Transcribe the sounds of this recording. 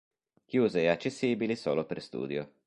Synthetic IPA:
k̟juːzeat͡ʃːesːiːbilisoːloperst̪ṵːd̪jo

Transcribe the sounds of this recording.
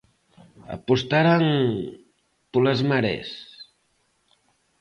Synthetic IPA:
ə̰pust̪aɾaŋ | puləzmaɾɛ̰s

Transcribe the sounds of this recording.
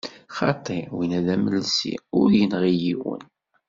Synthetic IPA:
χɑt̪ˤiwinæðæməlsḭʊɾjənʁijiwə̰n

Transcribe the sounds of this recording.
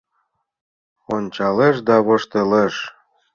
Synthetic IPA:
onʲt͡ɕɑleʃd̪ɑβɤ̆ʃt̪eleʃ

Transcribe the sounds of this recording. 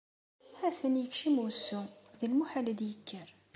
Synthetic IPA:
hæθənjəkʃimusːuðilmuħaləd̪jəkʰːəɾ

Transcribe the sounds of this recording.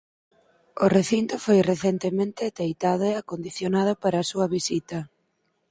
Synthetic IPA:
oreθint̪ʊfojreθent̪emẽnt̪ɪt̪ejt̪aðoeakond̪iθjonað̞ʊpaɾɐːsuɐβisit̪ɐ

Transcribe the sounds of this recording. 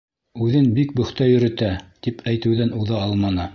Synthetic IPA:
ʉðɘnbik̚bɵ̆χt̪æjɵ̆ɾɘ̆t̪æt̪ipʰæjt̪ɘ̆wðænuðɑɑlˠmɑnɤ

